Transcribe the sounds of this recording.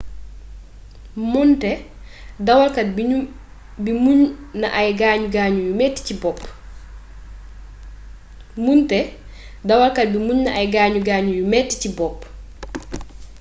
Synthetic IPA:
muntɛ | dawalkat̚b | bimuɲna̰ʔajɡaːɲuɡaːɲujumɛtːi̥cibɔp | muntɛ | dawalkat̚bimuɲnaʔajɡaːɲuɡaːɲujumɛtːi̥cibɔp

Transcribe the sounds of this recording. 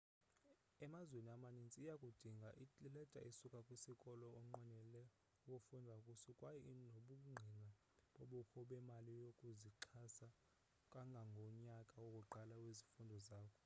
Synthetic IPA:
ɛmazweniamanint͡sʼiːjakʼud̥ʱiŋɡʱaʔiilɛtʼa̰ʔisukʼakʼwisikʼɔlɔːŋ͡ǃɛnɛlɛ | ukʼufundʱaukʼutʰikʼwajɛnoɓuk̬ʼuŋ͡ǃʱina | ɓoɓukʰɔɓɛmalijokʼuziǃʰasa | kʼaŋɡʱaŋɡʱɔɲakʼawokʼuǃʱalakwizifundʱɔzaːkʰɔ̥

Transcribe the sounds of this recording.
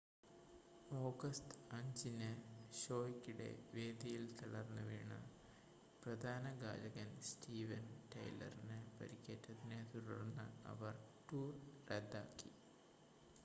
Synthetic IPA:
o̞ːɡɐstɐɲd͡ʑinɨɕo̞ːjikʲːiɽe̞̰ʋeːd̪ɐjilt̪ɐɽɐrnːɨʋḛːɳɨ̰ | prɐd̪ʱaːnɐɡa̰ːlɐɣɐnstiːʋɐnʈɐ̰jlɐ̰rinɨpɐ̰ɾikʲːeːʈːɐðinet̪uɽɐrnːɨ̰ɐ̰ʋɐrʈuːrred̪ːaːkːi

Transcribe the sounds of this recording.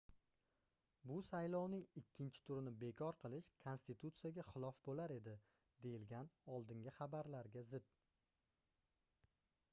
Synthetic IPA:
bʊsajlɒwnɪŋɪkʲʰːɪnt͡ʃʰɪ̥t̪ʰʊɾɪnɪbe̞kʲʰɒɾqʰɨlˠɪʃkʰonst̪ɪt̪ʰut̪sɨjaɡʲaχɪlˠɒfbolaɾe̞d̪ɪ | d̪e̞jɪlɡʲanɒlˠd̪ɪŋɡʲɪχɑbaɾlaɾɡʲazɪd̪̥̚

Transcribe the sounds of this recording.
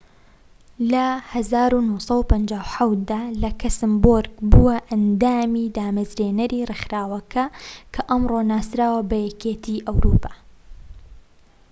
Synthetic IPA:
lɐhɐzaːɾunusˤɑwupɐnd͡ʒaːwħawt̪̚d̪aːlɐkʰɐsɨmboɾɡbuwɐʔɐnd̪aːmid̪aːmɐzɾeːnɐɾirɨxɾaːwɐkʰɐkʰɐʔɐmronaːsɾaːwɐbɐjɛkeːt̪ʰiʔɐwɾuːpʰaː

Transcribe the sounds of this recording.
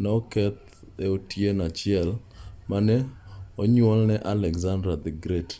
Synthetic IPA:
nɛɔkɛt̪̚ | eotjenat͡ʃɪɛl | manɛoɲwɔlnɛʔalɛkzandɾad̪ɛɡɾet

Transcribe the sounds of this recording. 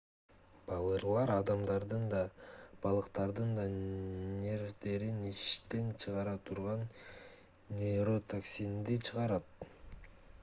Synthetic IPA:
b̥ɑlˠɯɾlˠɑɾɑd̪ɑmd̪ɑɾd̪ɯnd̪ɑb̥ɑlˠɯqt̪ɑɾd̪ɯnd̪ɑnʲe̞ɾd̪e̞ɾiniʃt̪e̞nt͡ʃʰɯʁɑɾɑt̪ʰuɾʁɑnːʲ | eɾo̞t̪ʰaksʲind̪it͡ʃʰɯʁɑɾɑt̪̚

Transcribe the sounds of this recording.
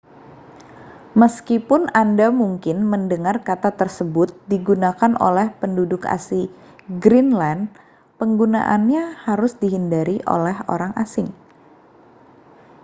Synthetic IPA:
məskipʊnandamuŋkɪnməndəŋarkat̪at̪ərsəbʊt̪̚diɡunakanʔo̰lɛhpəndudʊka̰si | ɡɾinlan | pəŋɡuna̰ʔanɲahaɾʊsdiɦindaɾiʔo̰lɛɦo̰ɾaŋasɪŋ

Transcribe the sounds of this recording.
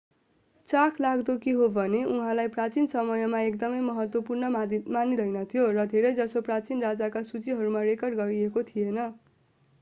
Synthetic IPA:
t͡sakʰlaɡd̪okiɦobʱʌneuɦãlajprat͡sinsʌmʌjʌmaekd̪ʌmʌjmʌɦʌt̪wʌpurnʌmanid̪ʱʌjnʌt̪ʰijorʌd̪ʱeɾʌjd͡zʌsoprat͡sinrad͡zakasut͡siɦʌɾumarekʌrɖɡʌɾiekot̪ʰijenʌ

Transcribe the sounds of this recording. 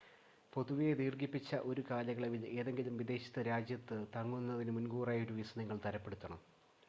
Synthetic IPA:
po̞ðuʋijed̪iːrɡipːit͡ɕːɐʔo̞ɾukaːlɐɣɐɭeʋile̞ːðe̞ŋɡilumʋid̪e̞ːɕɐ̥t̪ːɨɾaːd͡ʑjɐt̪ːɨt̪ɐŋːunːɐðinɨmunɡuːraːjoɾuʋisɐnɐŋːɐɭt̪ɐɾɐpːe̞ɽut̪ːɐɳɐm

